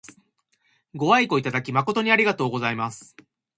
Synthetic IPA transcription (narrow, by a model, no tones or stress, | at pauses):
ɡo̞aiko̞it̪ad̪akʲimako̞t̪o̞ɲ̟iaɾʲiɡat̪o̞ːɡo̞zaimasɨ̥